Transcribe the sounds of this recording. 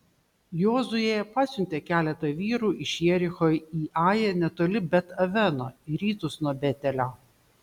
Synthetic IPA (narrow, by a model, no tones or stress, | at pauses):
joːzʊjeɛpɑːsʲʊnʲt̪ʲeːkʲæːlʲɛt̪ɐjʋʲiːɾuːʔɪʃʲiɛɾʲɪxoːiːʔɑːjɛnʲɛt̪oːlʲɪbʲɛt̪ɐʋʲɛnoːɪɾʲiːt̪ʊsnuɔbʲɛt̪ʲɛlʲoː